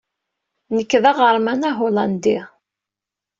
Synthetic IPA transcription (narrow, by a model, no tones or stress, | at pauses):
nəkːðæʁəɾˤmænaɦolɑnd̪i